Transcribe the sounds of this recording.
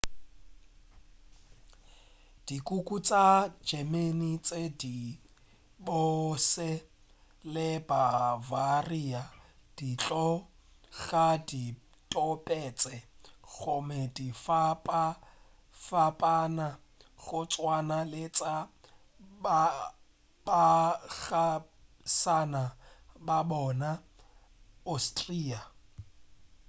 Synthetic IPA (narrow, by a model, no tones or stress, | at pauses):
d̥ikʼukʼut͡sʼad͡ʒɛmenit͡sʼedi | bɔsɛ | lɪbavariad̥it͡ɬʼɔ | ɣadi | tʼɔpʼɛt͡sʼɛɣʊmɛdifapʼa | fapʼana | ɣʊt͡sʼwanalɪt͡sʼa | ba | baɣa | sanababɔna | ostʼriːa